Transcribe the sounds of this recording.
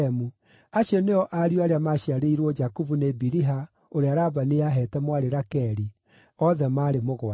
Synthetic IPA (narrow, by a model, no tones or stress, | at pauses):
ɛmu | aʃeneɔʔaɾioaɾeamaɕiaɾeiɾwɔd͡ʒakuvunebiɾiɦa | oɾeaɾaːbaneaɦɛtɛmwaɾeɾakɛɾi | ɔðɛmaːɾemoɣwa